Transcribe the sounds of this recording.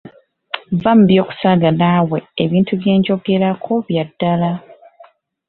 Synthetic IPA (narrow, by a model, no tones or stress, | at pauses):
vam̩bjo̞ːku̥saːɡanawe̞eβiːntuβje̞ːɲɟo̞ɡe̞ɾakʰoβjadːala